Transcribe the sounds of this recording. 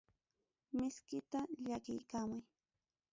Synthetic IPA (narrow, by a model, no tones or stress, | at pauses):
mɪskɪt̪aʎakɪ̰jkaːmʊj